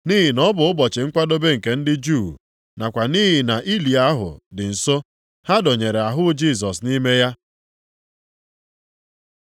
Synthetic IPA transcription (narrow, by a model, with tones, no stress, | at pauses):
ni˦ɦɪ˨nɔ˦bʊ˨ʊ˦bɔ˨t͡ʃɪ˨ŋ̩˦kʷa˦do˦be˦ŋ̩˨ke˨n̩˦dɪ˦d͡ʒu˦˨ | na˨kʷa˨ni˦ɦɪ˨na˨ʔi˦li˨a˦ɦʊ̰˨dɪ˨n̩˨so˦ | ha˦do˨ɲe˨ɾe˨a˨ɦʊ˦d͡ʒi˦˨s̬ɔ˨sni˦me˦ja˦